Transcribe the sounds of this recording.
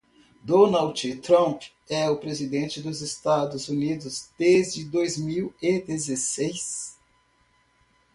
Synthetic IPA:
d̪õnawd͡ʒɪt̪ɾɐ̃p | ɛʊpɾezid̪ẽt͡ʃɪd̪ʊzest̪ad̪ʊzunid̪ʊzd̪ezd͡ʒɪd̪ojzmiwɪd̪ezesejs

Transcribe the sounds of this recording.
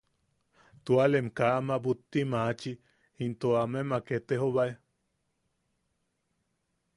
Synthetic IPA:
t̪ualemkamabut̪ːimat͡ʃi | int̪oamemaket̪eɦoβae

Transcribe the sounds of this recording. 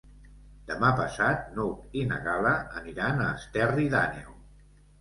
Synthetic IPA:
d̪̥əmapəsat̪̚nukinə̰ɣaləəniɾanəːst̪ɛriða̰nɛ̰w

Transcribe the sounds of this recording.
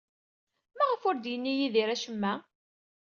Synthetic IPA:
mæʁəfʊɾd̪jənːijiðiɾæʃəmːæ

